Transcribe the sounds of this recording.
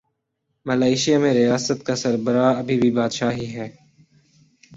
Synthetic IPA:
mɐlaːɪʃijamẽɾɪjaːsət̪kasɐɾbəɾaɐbʱibʱibaːd̪ʃaːɦiɦɛː

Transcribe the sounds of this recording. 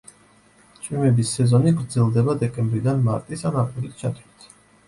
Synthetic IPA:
t͡ʃʼimɛbisːɛzɔniɡɾd̪zɛlˠd̪ɛbad̪ɛkʼɛmbɾid̪anmaɾt̪ʼisanapʼulit̪̚ʰt͡ʃʰat̪ʰwit̪ʰ

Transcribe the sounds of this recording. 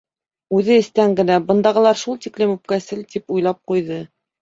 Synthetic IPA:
ʉðɘɘ̆st̪æŋɡɘ̆næbɤ̆nd̪ɑʁɤ̆lˠɑɾʃulˠt̪iklɘmʉp̚kæsɘlt̪ipujlˠɑp̚qujðɤ

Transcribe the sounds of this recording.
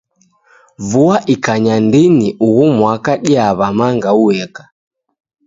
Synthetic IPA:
vuaʔikaɲandiniʔuɣumwakaɗiaβamaŋɡauɛkḁ

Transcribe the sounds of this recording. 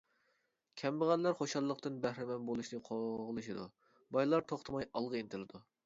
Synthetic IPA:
kʲʰɛmbɨʁænlæɾχoʃɑlˠːəqt̪ɨnbæhɾɪmɛnbolˠuʃnɨqʰoʁlˠɨʃid̪u | bɑjlˠɑɾt̪ʰoχt̪ʰɨmɑjɑlˠʁəint̪ʰɪlɨd̪u

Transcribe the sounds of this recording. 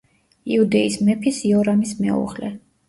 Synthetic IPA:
iud̪ɛismɛpʰisiɔɾamismɛ̰ṵʁlɛ̰

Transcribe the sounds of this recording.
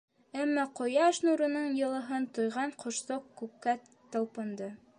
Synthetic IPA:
æmːæqŏjɑʃnuɾɤ̆nɤɴjɤ̆lˠɤ̆ɦɤnt̪ŏjʁɑɴqŏʃsoqkːʉpkːæ | t̪ɤ̆lˠpɤ̆nd̪ɤ

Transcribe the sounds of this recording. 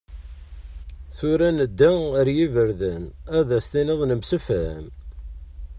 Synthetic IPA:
θʊɾænəd̪ːæəɾjivəɾðənæðæst̪inɪðˤnəmsəfæm

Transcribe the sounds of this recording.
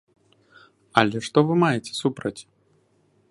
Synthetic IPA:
ɐlʲɛʂt̪ɔvɨmajɛt͡sʲɛ̥supɾɐt͡sʲ

